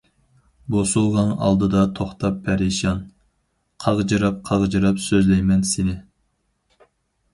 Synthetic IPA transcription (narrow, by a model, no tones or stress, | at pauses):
bosulˠʁɑnɑ̰lˠd̪ɨd̪ɑt̪ʰoχt̪ʰɑpʰːæɾeʃɑn | qʰɑʁd͡ʒɨɾɑp̚qʰɑʁd͡ʒɨɾɑpsøzlɛjmɛnsenɪ